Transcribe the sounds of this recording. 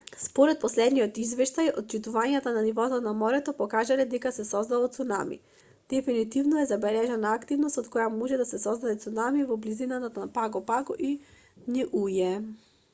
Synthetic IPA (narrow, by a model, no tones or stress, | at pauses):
spɔɾɛt̪̚pɔslɛd̪nijɔt̪izvɛʃt̪ajɔt̪̚t͡ʃit̪uvaɲat̪ananivɔt̪ɔnamɔɾɛt̪ɔpɔkaʒalɛd̪ɛkasɛsɔzd̪alˠɔt̪sunamḭ | d̪̥ɛfinit̪ivnɔɛzabɛlɛʒanaːkt̪ivnost̪ot̪̚kɔjamɔʒɛd̪asɛsɔzd̪ad̪ɛt̪sunamivɔblizinat̪at̪paɡɔpaɡɔʔi | niʔujɛ